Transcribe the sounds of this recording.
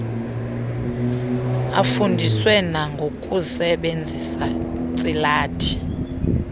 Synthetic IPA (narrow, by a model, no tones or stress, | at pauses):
a̰fundʱiswɛnaŋɡʱokʼusɛɓend͡zʱisat͡sʼilaːtʰi̥